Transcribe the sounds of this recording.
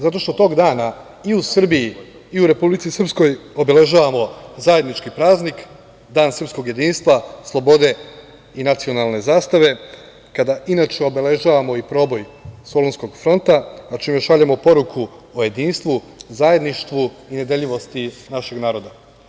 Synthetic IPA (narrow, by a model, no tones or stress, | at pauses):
zat̪o̞ʃt̪o̞t̪o̞ːɡd̪aːna | iusr̩biji | iuɾe̞publit̪sisr̩psko̞jo̞be̞le̞ʒaːʋamo̞zaje̞d̪nit͡ʃkipɾaːznik | d̪aːnsɾr̩psko̞ɡje̞d̪iːnst̪ʋaslˠo̞bo̞d̪e̞ | inat̪sio̞nalˠne̞zaːst̪aʋe̞ | kad̪aʔinaːt͡ʃeo̞be̞le̞ʒaːʋamo̞ipɾo̞bo̞jso̞lonsko̞ɡfɾo̞nt̪aat͡ʃiːmeʃaʎemo̞po̞ɾukʰuoje̞d̪iːnst̪ʋu | zaje̞d̪niʃt̪ʋu | ined̪eʎiʋo̞st̪inaʃe̞ɡnaːɾo̞d̪a